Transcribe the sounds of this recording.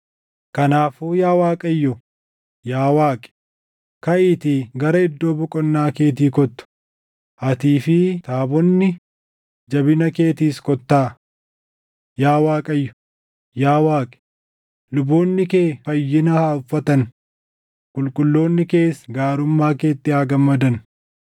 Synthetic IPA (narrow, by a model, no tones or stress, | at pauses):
kɐnaːfuːjaːwaːkʼɐjːɔ | jaːwaːkʼɛ̥ | kɐʔɪt̪iɡɐɾɐɪd̪ːo̞ːbʊkʼɔnːaːke̞ːt̪̬iːkɔt̪ːʊ̥ | ɐt̪iːfɪt̪aːbɔnːɪ | d͡ʒɐbɪnɐke̞ːt̪iːskɔt̪ːaː | jaːwaːkʼɐjːɔ̥ | jaːwaːkʼ | lʊbo̞ːnːɪke̞ːfɐjːɪnɐhaːʊfːɐt̪ɐn | kʼʊlkʼʊlːo̞ːnːɪke̞ːsɡaːɾʊmːaːke̞ːt̪ːɪaːɡɐmːɐd̪ɐn